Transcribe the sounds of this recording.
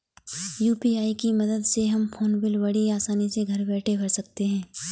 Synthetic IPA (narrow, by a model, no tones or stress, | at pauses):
juːpiaːikimɐd̪əd̪seɦɐmfʰoːnbɪlbɐɽiaːsaːniseɡʱɐɾbɛːʈʰebʱɐɽsɐk̚t̪eɦɛ̃ː